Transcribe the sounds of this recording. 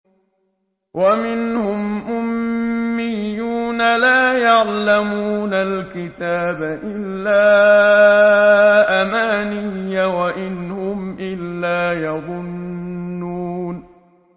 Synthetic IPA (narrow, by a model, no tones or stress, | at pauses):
wʔamɪnhʊmʔʊmː | ɪjːuːnalaːjɑʕlamuːnalkɪt̪aːbaʔɪlːaː | ʔamaːnɪjːawaʔɪnhʊmʔɪlːaːjɑðˤʊnː | uːn